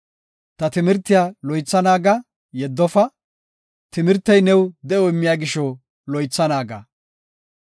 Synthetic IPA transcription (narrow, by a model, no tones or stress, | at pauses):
t̪ɐt̪ɪmɪɾt̪ːɪjaːlɔjt͡sːɐnaːɡɐ | jɛd̪ːɔfɐ | t̪ɪmɪɾt̪ːɐjnɛwd̪ɛɔɪmːɪjaːɡɪʃɔ | lɔjt͡sːɐnaːɡa̰